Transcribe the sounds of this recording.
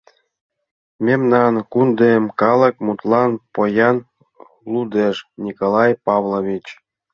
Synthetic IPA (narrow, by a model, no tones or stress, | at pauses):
mʲemnɑnkund̪emkɑlˠɤ̆kmut̪lˠɑnpojɑn | lˠud̪eʃnʲikolɑjpɑvlˠoβʲit͡ɕ